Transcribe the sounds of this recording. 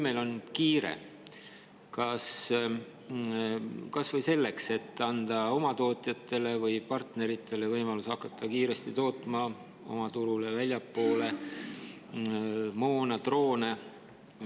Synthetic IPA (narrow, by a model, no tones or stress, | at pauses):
melo̞nkiːɾḛ | kɑs | kɑsvɤjse̞lːe̞kse̞t̪ːɑnd̪̥ɑo̞mɑt̪o̞ːt̪ˑjɑt̪ːe̞le̞vɤjpɑrt̪ne̞ɾit̪ːe̞le̞vɤjmɑlusɑkːˑɑt̪ːɑkiːɾe̞st̪it̪o̞ːt̪ːˑmɑ | o̞̰mɑt̪uɾulevælʲjɑpːo̞ːle̞ | moːnɑt̪ro̞ːne̞